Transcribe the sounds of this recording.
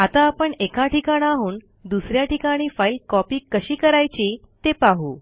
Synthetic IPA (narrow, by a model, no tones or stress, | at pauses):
at̪aːpəɳekaʈikaɽ̃aɦuːn | d̪usɾjaʈikaɽ̃iːfailkɔpiːkəɕiːkəɾajt͡ɕi | t̪epaɦu